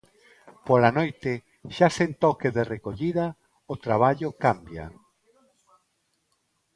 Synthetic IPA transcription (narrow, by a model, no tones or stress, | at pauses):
polanojt̪ɪ | ʃasent̪ɔkeðerekoʎiða | ot̪ɾaβ̞aʎʊkambja̰